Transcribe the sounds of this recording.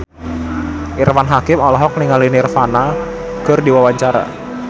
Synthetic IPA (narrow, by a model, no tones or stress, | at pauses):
ʔirmanɦakɪmɔlɔɦɔk̚niŋalinɪrfana | kərdiwawaɲt͡ʃaɾa̰